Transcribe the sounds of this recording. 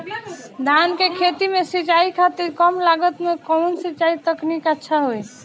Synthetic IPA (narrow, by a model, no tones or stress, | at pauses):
d̪ʱankekʰet̪imesit͡ʃaikʰat̪iɾkəmlaɡət̪mekɔnsit͡ʃait̪əknikətːʃʰaɦoj